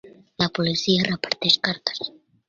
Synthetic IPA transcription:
lapolisiarepaɾt̪eʃkaɾt̪ḁs

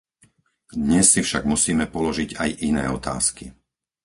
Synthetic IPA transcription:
d̪ɲɛsːifʃaɡmusiːmɛpɔlɔʒiɟajʔinɛ̰ːɔt̪a̰ːski

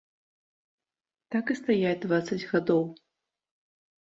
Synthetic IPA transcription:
t̪akɨst̪ajad̪vat̪sɐd͡zʲɣad̪ɔw

